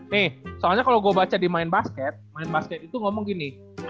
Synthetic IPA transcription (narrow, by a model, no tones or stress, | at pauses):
nɪhsoalɲakaloɡuabat͡ʃadimaɪnbaskɛt̪̚maɪnbaskɛt̪̚it̪uŋɔmɔŋɡini